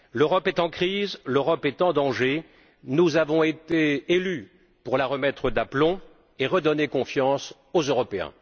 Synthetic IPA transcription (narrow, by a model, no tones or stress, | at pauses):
løʁɔpɛt̪ɑ̃kχizløʁɔpɛt̪ɑ̃d̪ɑ̃ʒe | nuzavɔ̃et̪eːly | puʁlaʁəmɛt̪χəd̪aplɔ̃ | eʁəd̪ɔnekɔ̃fjɑ̃s | ozøʁɔpeɛ̰̃